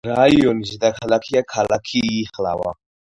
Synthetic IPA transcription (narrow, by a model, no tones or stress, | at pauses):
ɾajonzid̪akʰalakʰijakʰalakʰiːχla̰wa̰